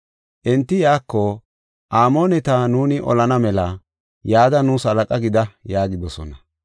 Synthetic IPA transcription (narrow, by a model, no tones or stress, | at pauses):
ʔɛnt̪ːɪjaːkːo | ʔaːmo̞ːnɛt̪anuːnɪʔɔ̰lɐnɐmɛlɐ | jaːd̪ɐnusɐlɐkʼɐɡɪd̪ɐjaːɡɪd̪ɔsɔnɐ